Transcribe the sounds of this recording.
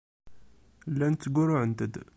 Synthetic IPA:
lːænt͡sːəɡuɾʊʕənt̪əd̪

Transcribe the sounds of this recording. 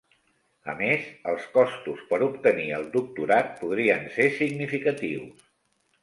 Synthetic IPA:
ə̰mezəlˠskɔst̪uspəɾupt̪əniəlˠd̪uk̚t̪uɾat̪̚puðɾiənsesiɡnifikət̪iws

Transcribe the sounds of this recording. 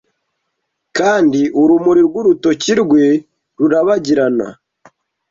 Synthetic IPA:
kaːndiʔuɾumuɾiɾɡwuɾuto̞ciɾɡwe | ɾuɾaβaɟiɾana̰

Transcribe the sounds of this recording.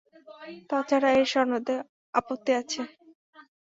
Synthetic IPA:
t̪at͡ɕʰaɾaeɾʃɔnod̪e | apot̪ːiat͡ɕʰe

